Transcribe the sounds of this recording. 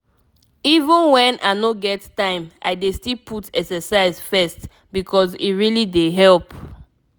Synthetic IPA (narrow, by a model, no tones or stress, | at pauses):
ivə̃nwɛ̃nʔa̰ɪnoɡɛttãɪ̃ma̰ɪdestilpʰutɛksɛsaɪzfɛst | bikʰɔzḭtɹilideɦɛlp